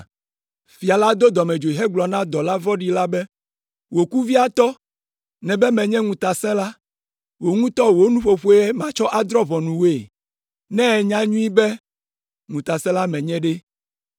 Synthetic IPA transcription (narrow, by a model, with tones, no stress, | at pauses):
fi˨a˨la˦d̪o˦d̪ɔ˨mɛ̃˨d͡ʒo˨i˨ɦɛ˦ɡ͡blɔ˨nã˦d̪ɔ˨la˦vɔ˦ɖi˦la˦bɛ˦ | wo˨ku˦vi˦a˨t̪ɔ˦ | nɛ̃˨bɛ˦mɛ̃˨ɲɛ̃˦ŋũ˨t̪a˨sɛ̃˦la˦ | wo˨ŋũ˦t̪ɔ˦wo˦nũ˦ɸo˨ɸu˦e˦ɛ˦mã˨t͡ʃɔ˦ʔa˦d̪ɾɔ˦vɔ˨nũ˨we˦˨ | nɛ̃˦˨ɲã˦ɲũ˦i˦bɛ˦ | ŋũ˨t̪a˨sɛ̃˦la˦mɛ̃˨ɲɛ̃˦ɖɛ˦